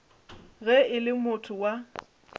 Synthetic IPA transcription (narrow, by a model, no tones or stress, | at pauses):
ɣɛɪlɪmʊtʰʊwa